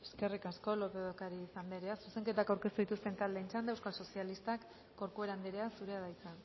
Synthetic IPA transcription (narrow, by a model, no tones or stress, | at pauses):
e̥ske̞rikasko̞lo̞peðokaɾiːsambe̞ɾe̞asuse̞ŋke̞t̪akawɾke̞st̪uðit̪ust̪e̞nt̪ald̪eint͡ʃand̪ewskalso̞sialist̪akː | o̞ɾkue̞ɾand̪iɾeasuɾe̞aðajt͡sa